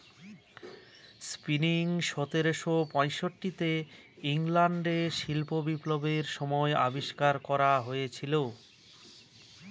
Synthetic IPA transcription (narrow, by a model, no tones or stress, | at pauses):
spiniŋʃɔt̪eɾoʃopɔ̃jʃoʈːit̪e | iŋlaɳɖeʃilpobiplobeɾʃɔmɔeabiʃkaɾkɔɾaɦojet͡ɕʰilo